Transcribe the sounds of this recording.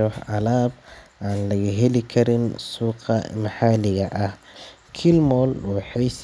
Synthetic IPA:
ɔħʕɑlaːbʔaːnlɐɣiɦɛlɪkʰɐɾɪnsuːqɑ̰mɐħalɪɣɐʔɐh | kʰɪlmɔːluːħɛjs

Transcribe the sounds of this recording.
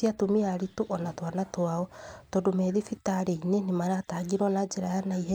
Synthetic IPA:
iatomiaɾitoʔɔnatwanatwaɔtɔːndomɛðifitaɾeinenemaɾataɡiɾwɔnad͡ʒɛɾajanaiɦɛ

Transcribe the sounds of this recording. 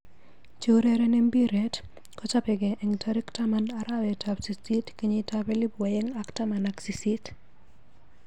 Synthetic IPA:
t͡ʃoɾɛɾɛnɛmbiɾɛt | kɔt͡ʃapɛɡɛʔɛŋtʰaɾiktamanaɾawɛtʰapsistitkeɲitapɛlibwajɛŋaktamanaksisit

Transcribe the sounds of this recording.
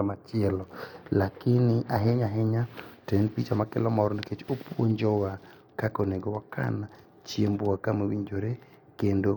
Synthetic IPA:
amat͡ʃɪɛlɔlakɪnɪʔaɦeɲaɦeɲatɛnpit͡ʃamakɛ̰lɔmɔɾɔniket͡ʃopwo̰ɲd͡ʒɔwa | kakoneɡowakʰa̰na | t͡ʃjemboakamewiɲd͡ʒoɾe | kendo

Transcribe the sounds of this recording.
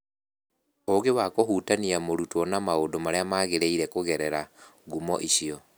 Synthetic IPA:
oɣewakoɦuːtaniamoɾutwɔnamaondomaɾeamaɣeɾeiɾɛkoɣɛɾɛɾaɡumɔ̰ʔiɕiɔ

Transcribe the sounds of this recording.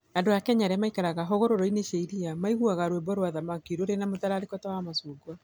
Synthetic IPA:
andojakɛɲaɾɛmaikaɾaɣaɦoɣoɾoɾɔineʃeiɾiamaiɣuaɣaɾwebɔɾwaðamakiɾoɾenamotaɾaɾekɔtawamasuːɡwa

